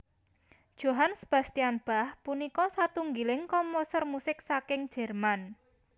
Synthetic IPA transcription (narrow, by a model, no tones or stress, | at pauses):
d̥ʒ̥o̤ɦansəb̥a̤st̪ianb̥a̤hpunikɔsat̪uŋɡilɪŋkɔmposərmusɪk̚sakɪŋd̥ʒ̥ɛ̤rman